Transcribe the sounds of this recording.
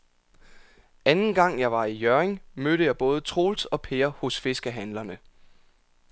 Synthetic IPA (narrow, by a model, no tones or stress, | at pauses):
ænn̩ɡ̥ɑ̈ŋ̰jɑ̈ɪʋɑ̈ijøɐeŋmøɾ̥əjɑ̈ɪb̥ɔ̽ːð̞ˠt͡sʰʁo̝ːlsɒ̽pʰeːɐho̽sfe̝sɡ̥əɦænlɐnə